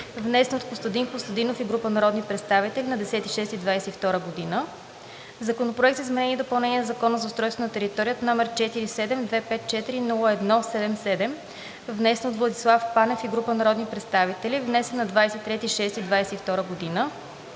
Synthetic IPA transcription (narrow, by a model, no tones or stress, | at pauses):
vnɛsɛnot̪post̪ɐd̪inkost̪ɐd̪inofiɡɾupənɐɾɔd̪nipɾɛt̪st̪avit̪ɛlinɐd̪ɛsɛt̪iʃɛst̪id̪vajsɛift̪ɔɾəɡod̪inə | zɐkonopɾoɛk̚t̪izmɛnɛniɛd̪opɐlˠnɛniɛnɐzɐkɔnəzɐost̪ɾɔjst̪vonɐt̪ɛɾit̪ɔɾijət̪ɐnɔmɛɾt͡ʃɛt̪iɾisɛd̪ɛmd̪vɛpɛt̪̚t͡ʃɛt̪iɾinulˠəɛd̪nɔsɛd̪ɛmsɛd̪ɛm | vnɛsɛnot̪vlˠɐd̪islˠafpanɛfiɡɾupənɐɾɔd̪nipɾɛt̪st̪avit̪ɛlivnɛsɛnːɐd̪vajsɛt̪ːɾɛt̪iʃɛst̪id̪vajsɛift̪ɔɾəɡod̪inə